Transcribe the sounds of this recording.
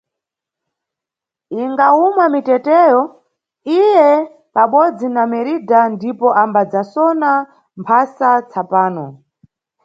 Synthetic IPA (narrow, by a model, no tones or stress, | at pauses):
iŋɡaumamitɛtɛːjɔ | ijɛ | paɓɔd͡zinamɛɾidandipɔʔambad͡zasɔna | mpʰasat͡sʰapaːnɔ